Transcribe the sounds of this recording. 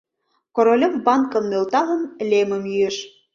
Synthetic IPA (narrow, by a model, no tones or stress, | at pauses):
koɾolʲə̆mbɑnkɤ̆mːølt̪ɑlɤ̆mlʲemə̆mjyeʃ